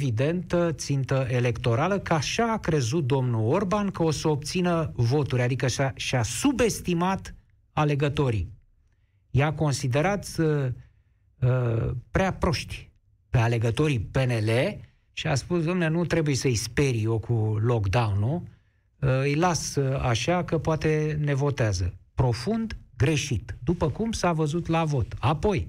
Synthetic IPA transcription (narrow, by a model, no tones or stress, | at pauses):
vid̪e̞nt̪ət̪sint̪əʔe̞le̞kt̪o̞ɾaləkəaʃaːkɾe̞zut̪̚d̪o̞mnuorbankəo̞səop̚t̪sinəvo̞t̪uɾʲad̪ikəʃaʃiasube̞st̪imat̪ | ale̞ɡət̪o̞ɾḭ | jako̞nsid̪e̞ɾat̪sʲə | əpɾeapɾo̞ʃt̪ʲ | pe̞ale̞ɡət̪o̞ɾipe̞ne̞le | ʃia̰spusd̪oamneanut̪ɾe̞buje̞səispe̞ɾo̞kʰulo̞kd̪awnu | ɨjlasaʃakəpoat̪e̞ne̞vo̞t̪eazə̰pɾo̞fund̪ɡɾe̞ʃit̪d̪upəkumsavəzut̪lavo̞t̪apo̞j